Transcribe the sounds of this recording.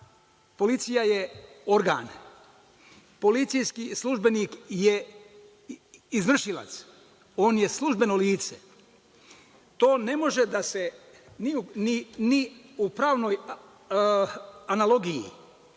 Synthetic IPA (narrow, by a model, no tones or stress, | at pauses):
po̞lit̪sijajeo̞ɾɡa̰ːn | po̞lit̪sijskislˠuʒbe̞niːkje | izʋr̩ʃila̰t̪s | o̞ːnjesluʒbe̞no̞liːt̪se | t̪o̞ːne̞mo̞ʒed̪ase | niuniniupɾaːʋno̞j | analo̞ɡijḭ